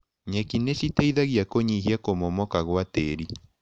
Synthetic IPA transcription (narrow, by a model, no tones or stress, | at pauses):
ɲekinesiteiðaɣjakoɲiɦiakomɔmɔkaɣwateɾi